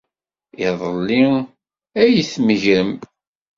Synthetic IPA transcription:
ɪðˤəlːi | æjiθməʝɾəm

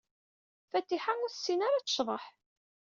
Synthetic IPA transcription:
fæt̪ːiħaʊɾsːinaɾat͡sːə̥ʃðˤə̰ħ

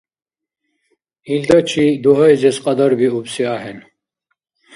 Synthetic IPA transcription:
ild̪ɐt͡ʃʰid̪uɦɐjzɛsqɑd̪ɐɾbiubsiaɦɛn

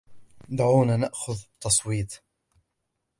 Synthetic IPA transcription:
d̪aʕuːnaːnaʔxʊðbt̪ʰːɑsˤwiːt̪ˤ

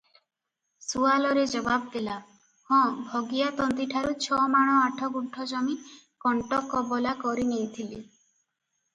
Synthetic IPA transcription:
sualɔɾed͡ʒɔbab̚d̪ela | hɔ̃bʱɔɡijat̪ɔnt̪iʈʰaɾut͡ʃʰɔmaɽ̃ɔaʈʰɔkuʈʰːɔd͡ʒɔmi | kɔɳʈɔkɔbɔlakɔɾinejt̪ʰili

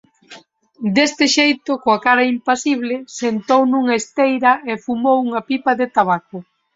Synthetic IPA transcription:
d̪est̪ɪʃejt̪ʊkoakaɾɐimpasiβ̞lɪsent̪ownuŋɐest̪ejɾɐefumowuŋɐpipɐðɪt̪aβakʊ

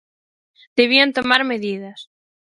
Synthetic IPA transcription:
d̪̥eβ̞iant̪omaɾmeðiðas

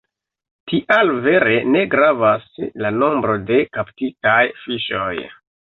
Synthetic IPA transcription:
tiʔalve̞ɾe̞ne̞ɡɾavaslano̞mbɾo̞de̞kaptitajfiʃo̰j

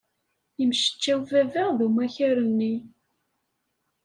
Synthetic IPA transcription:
jəmʃə̥t͡ʃːæwvævæʁðumæçæɾənːi

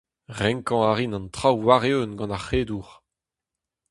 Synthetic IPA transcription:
ʁɛ̃ŋkɑ̃aʁinɑ̃nt̪χawwaʁeønɡɑ̃naχeːd̪uʁ

